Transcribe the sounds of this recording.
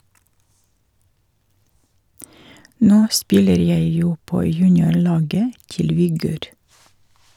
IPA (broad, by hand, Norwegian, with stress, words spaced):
ˈnoː ˈspɪləɾ ˈjæɪ ˈjuː ˈpoː ˈjʉːnɪʊˌɭɑːɡə ˈtɪl ʋɪˈɡøːɾ